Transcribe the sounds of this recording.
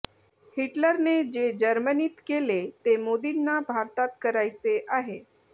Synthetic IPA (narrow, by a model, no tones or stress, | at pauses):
hiʈləɾned͡ʑed͡ʑəɾməniːt̪kelet̪emod̪inːabʱaɾt̪at̪̚kəɾajt͡seʔaɦe